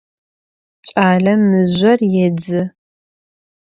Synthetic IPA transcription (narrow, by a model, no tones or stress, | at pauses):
t͡ʃʼaːɮɐmːɨʑʷɐrjɛd͡zɨ